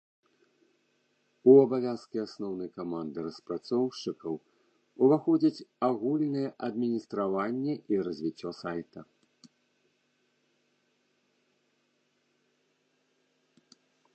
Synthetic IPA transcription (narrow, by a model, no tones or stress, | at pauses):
uɐbavʲaskʲiasnɔwnɨjkamand̪ɨɾɐspɾat̪sɔwʂɨkɐw | uvaxɔd͡zʲɐt͡sʲaɣulʲnɨjɛʔɐd̪mʲinʲist̪ɾavanʲːɛʔiɾɐzʲvʲit͡sʲːɔsajt̪ɐ